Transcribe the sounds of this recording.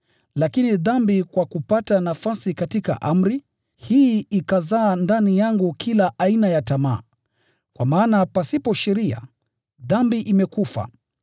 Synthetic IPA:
lakiniðambikwakupatanafasikatika̰ʔam̩ɾi | hiikazaːndanijaŋɡukʰilaʔainajatama̰ː | kwa̰maːnapasipɔʃɛɾia̰ | ðambiʔimɛkufa̰

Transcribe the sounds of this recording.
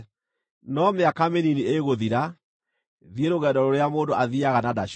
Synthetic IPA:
nɔmeakameninieɣoðiɾa | ðieɾoɣɛdɔɾoɾeamoːndoʔaðiaɣanadaʃ

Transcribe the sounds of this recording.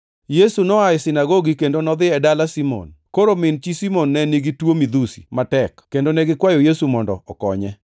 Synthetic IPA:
jesunɔaɪsɪnaɡoɡikendonɔd̪ɪɛdalasimɔ̰nkoɾomɪnt͡ʃisimonːɛniɡitwomid̪usi̥̰matɛkkendonɛɡɪkwajojesumɔndɔɔkɔɲɛ

